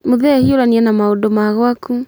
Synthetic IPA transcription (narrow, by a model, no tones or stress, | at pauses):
moðɛhioɾaniɛnamaodɔmaɣwaku